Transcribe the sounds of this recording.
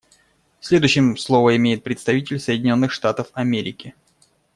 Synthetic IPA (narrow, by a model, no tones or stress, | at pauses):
fsʲlʲed̪ʊɕːɪmslˠo̞vəɪmʲejɪt̪̚pɾʲɪt̪st̪ɐvʲitʲɪlʲsəjdʲɪnʲo̞nːɨxʂt̪at̪əfɐmʲeɾʲɪkʲɪ